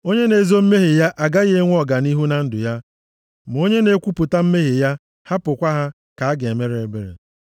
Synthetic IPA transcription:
o˦ɲe˦ne˨zo˦m̩˦me˦ɦe˨ja˦ʔa˨ɡa˦ɣe˦e˦ŋʷ˦ɔ˦ɡa˨ni˦ɦu˦na˨n̩˦dʊ˨ja˦ | m˨o˦ɲe˦ne˦kʷu˦pʊ˨ta˦m̩˦me˦ɦe˨ja˦ | ha˦pʊ˨kʷa˦ɦa˦ | ka˨a˦ɡe˨me˦ɾe˨˦be˦ɾḛ˨

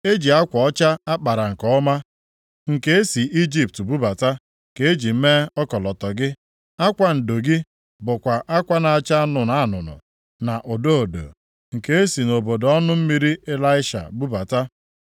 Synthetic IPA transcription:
e˦d͡ʒi˨a˦kʷɔ˨ɔ˦t͡ʃa˦a˦k͡pa˨ɾa˨ŋ̩˨kɔ˦ma˦ | ŋ̩˨ke˦e˦si˨ʔi˦d͡ʒi˦p̚tbu˦ba˨ta˦ | ke˨e˦d͡ʒi˨m̩˦me˦ɔ˦kɔ˨lɔ˨tɔ˨ɡɪ˦ | a˦kʷa˦n̩˨do˨ɡɪ˦ | bʊ˨kʷa˨ʔa˦kʷa˦na˨a˨t͡ʃa˦nʊ˨na˨˦˨nʊ̰˨nʊ̰˨ | na˨ʔo˨do˦o˨do̰˨ | ŋ̩˨ke˦e˦si˨no˨bo˨dɔ˦nʊ˦m̩˦mi˦ɾi˦ʔe˦la˦ɪ˦ʃa̰˨bu˦ba˨ta˦

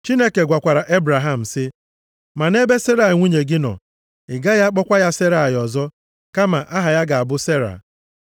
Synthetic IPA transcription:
t͡ʃi˦ne˦ke˨ɡʷa˨kʷa˨ɾa˨ʔe˦bɾa˨ɦa˦m̩˨sɪ˦ | ma˨ne˦be˦se˦ɾa˨ŋʷu˦ɲe˨ɡɪ˦nɔ̰˨ | ɪ˨ɡa˦ja˦k͡pɔ˦kʷa˦ja˦se˦ɾa˨jɔ˨zɔ˦ | ka˦ma˨ʔa˦ɦa˨ja˦ɡa˨a˨bʊ˦se˦ɾa̰˨

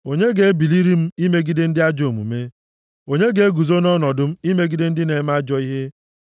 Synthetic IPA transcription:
o˨ɲe˦ɡe˦e˦bi˨li˦ɾi˦m̩˦i˦me˦ɡi˦de˦n̩˦dɪ˦a˦d͡ʒo˨mṵ˨me˦ | o˨ɲe˦ɡe˨˦e˦ɡu˨zo˦nɔ˦nɔ˨dʊ˦m̩˦i˦me˦ɡi˦de˦n̩˦dɪ˦ne˨˦m̩˦a˦d͡ʒɔ˨i˦ɦe˦

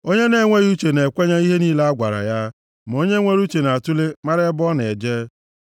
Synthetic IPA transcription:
o˦ɲe˦ne˦ŋʷe˦ɾu˦t͡ʃe˨ne˨kʷe˦ɲa˦i˦ɦe˦niː˦le˦a˦ɡʷa˨ɾa̰˨ja˦ | m˨o˦ɲe˦ŋʷe˦ɾu˦t͡ʃe˨na˨tu˦le˦ma˦ɾe˦bɔ˦n˨e˨d͡ʒeː˦

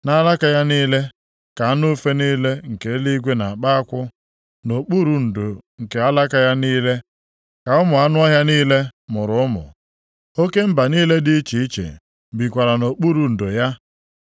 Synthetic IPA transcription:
na˦la˦ka˦ja˦niː˦le˦ | ka˨a˦nʊ˦fe˦niː˦le˦ŋ̩˨ke˨˦li˦ɡʷe˦na˨a˨k͡pa˦a˦kʷʊ˦ | no˨k͡pu˦ɾu˨n̩˨do˨ŋ̩˨ke˨a˦la˦ka˦ja˦niː˦le˦ | ka˨ʊ˦mʊ˨a˦nʊ˦ɔ˦ɦja˦niː˦le˦mʊ˨ɾʊ˨ʊ˦mʊ̰˨ | o˦ke˦m̩˦ba˨niː˦le˦dɪ˦t͡ʃi˨i˦t͡ʃḛ˨ | bi˨kʷa˨ɾa˨no˨k͡pu˦ɾu˨n̩˨do˨ja˦

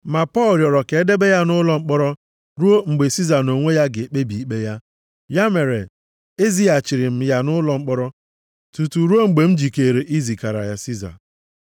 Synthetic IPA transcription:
ma˨pɔ˦˨lɾjɔ˨ɾɔ˨ke˨e˦de˦be˦ja˦nʊ˦lɔ˨ŋ͡m̩˦k͡pɔ˦ɾɔ˦ | ɾu˦o˦ŋ͡m̩˨ɡ͡be˨si˦za˨no˨ŋʷe˦ja˦ɡɪ˨k͡pe˦bi˨i˦k͡pe˦ja˦ | ja˦me˨ɾe˨ | e˦zi˦a˨t͡ʃi˨ɾɪ˨m̩˨ja˦nʊ˦lɔ˨ŋ͡m̩˦k͡pɔ˦ɾɔ˦ | tu˨tu˨ɾu˦o˦ŋ͡m̩˨ɡ͡be˨m̩˦d͡ʒi˨ke˨ɾe˨ʔi˦zi˨ka˨ɾa̰˨ja˨si˦za̰˨

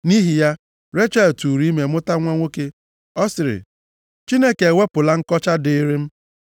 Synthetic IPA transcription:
ni˦ɦi˨ja˦ | ɾe˦t͡ʃa˦˨ltu˨ɾi˦me˨mʊ˦ta˦ŋʷa˦ŋʷo˦ke˦ | ɔ˦sɪ˨ɾɪ̰˨ | t͡ʃi˦ne˦ke˨we˦pʊ˨la˦ŋ̩˦kɔ˦t͡ʃa˦dɪ˦ɾi˦m̩˦

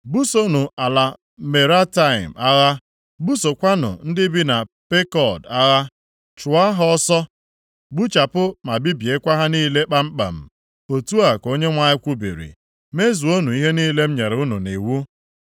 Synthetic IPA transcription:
bu˦so˦nu˨a˨la˨ | me˨ɾa˦ta˦˨ɪ̰˨ma˦ɣa˦ | bu˦so˨kʷa˦nʊ̰˨n̩˦dɪ˦bi˦na˨pe˦kɔ˨da˦ɣa˦ | t͡ʃʊ˨a˦ɦɔ˦sɔ˦ | bu˦t͡ʃa˨pʊ˦ma˨bi˦bi˨e˦kʷa˦ɦa˦niː˦le˦k͡pa˦m̩˦k͡pa̰˨m̩˨ | o˨tu˦a˨ko˦ɲe˦ŋʷa˦ɪ˦kʷu˦bḭ˨ɾḭ˨ | me˦zu˨o˦nu˨i˦ɦe˦niː˦le˦m̩˦ɲe˨ɾɪ˨ʊ˦nu˨ni˨wu˦

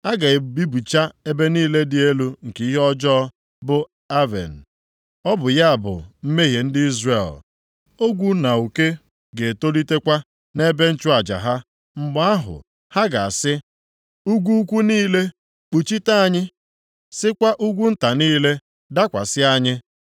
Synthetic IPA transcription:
a˦ɡa˨e˨bi˦bu˨t͡ʃa˦e˦be˦niː˦le˦dɪ˨e˦lu˦ŋ̩˨ki˨˦i˦ɦɔ˦d͡ʒɔ˦ | bʊ˦ | a˦vḛ˨n̩˨ | ɔ˦bʊ˨ja˦a˨bʊ̰˨m̩˦me˦ɦe˨n̩˦dɪ˦i˦zre˦˨l | o˦ɡʷu˦na˨u˨ke˦ | ɡe˨to˦li˦te˦kʷa˦ | ne˦be˦n̩˦t͡ʃʊ˦a˨d͡ʒa̰˨ɦa˦ | ŋ͡m̩˦ɡ͡ba˦a˦ɦʊ̰˨ | ha˦ɡa˨a˨sɪ˦ | u˦ɡʷu˦u˦kʷu˦niː˦le˦ | k͡pu˨t͡ʃi˦ta˦a˨ɲɪ˦ | sɪ˦kʷa˦ʔu˦ɡʷu˦n̩˦ta˨niː˦le˦ | da˦kʷa˨sɪ˦a˦ɲɪ˦

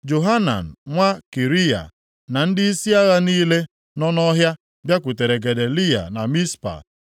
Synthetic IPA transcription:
d͡ʒo˨ɦa˦na̰˨n̩˨ŋʷa˦ki˨ɾi˦ja̰˨ | na˨n̩˦dɪ˦i˦si˦a˦ɣa˦niː˦le˦ | nɔ˦nɔ˦ɦja˦ | bja˦kʷʊ˨te˨ɾe˨ɡe˨de˨li˦ja̰˨na˨mi˦spa̰˨

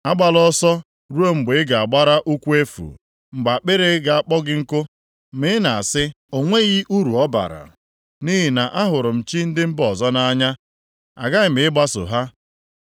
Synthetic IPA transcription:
a˦ɡ͡ba˨lɔ˦sɔ˦ | ɾu˦o˦ŋ͡m̩˨ɡ͡be˨˦ɡa˨a˨ɡ͡ba˦ɾa˦ʔu˦kʷu˦e˦fṵ˨ | ŋ͡m̩˨ɡ͡ba˨k͡pɪ˦ɾe˦ɡa˨a˦k͡pɔ˦ɡɪ˦ŋ̩˦kʊ˦ | mɪ˦ɪ˦na˨a˨sɪ˦ | o˨ŋʷe˦ɣi˦ʔu˦ɾu˨ɔ˦ba̰˨ɾa̰˨ | ni˦ɦi˨na˨ʔa˦ɦʊ˨ɾʊ˨m̩˨t͡ʃi˦n̩˦dɪ˦m̩˦bɔ˨zɔ˦na˦a˦ɲa˦ | a̰˨ɡa˦ɪ˨m̩ɪ˨ɪ˦ɡ͡ba˦sʊ̰˨ɦa˦

